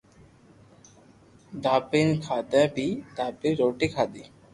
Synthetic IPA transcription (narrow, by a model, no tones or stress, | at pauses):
d̪aːpinkʰaːd̪ɛ̃pid̪aːpiɾoːʈikʰaːd̪i